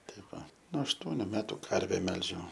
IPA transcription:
ˈtɐɪ ˈʋɐ nuɔ ɐʃˈtuɔnʲʊ ˈmʲæːtʊ ˈkɐrʲʋʲɛ ˈmʲɛlʲʒʲɛʊ

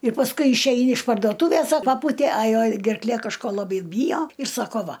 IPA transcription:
ɪr pɐsˈkʊɪ ɪʃʲˈɛɪnʲɪ ɪʃ pɐrdoːˈtuːʋʲeːs ɐ ˈpɑːpuːtʲeː ɐ ˈjɛʊ ɡʲɛrkˈlʲeː kɐʃˈkoː lˠɐˈbɐɪ ˈbʲiːjoː ɪr ˈsɑːkoː ˈʋɐ

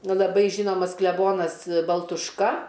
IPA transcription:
ˈnʊ lˠɐˈbɐɪ ˈʒʲiːnoːmɐs klʲɛˈboːnɐs bɐlˠtʊʃˈkɐ

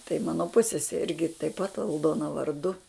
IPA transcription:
tɐɪ ˈmɑːnoː ˈpʊsʲsʲɛsʲɛ ˈɪrʲɡʲɪ tɐɪp pɐt ɐlˠˈdoːnɐ ʋɐrˈdʊ

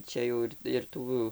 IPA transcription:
ˈt͡ʃʲɛ jɛʊ ɪr ɪr ˈtuː

